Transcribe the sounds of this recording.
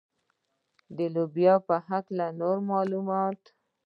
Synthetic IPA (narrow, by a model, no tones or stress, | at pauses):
d̪əlobjɑpəɦaklanoɾmɑlumɑt̪